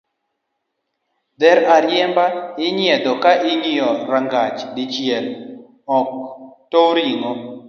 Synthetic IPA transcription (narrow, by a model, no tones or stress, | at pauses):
d̪ɛɾaɾjɛmbaɪɲiɛd̪ɔkaʔɪɲijɔɾaŋɡat͡ʃdɪt͡ʃjɛl | ɔk̚towɾiŋɔ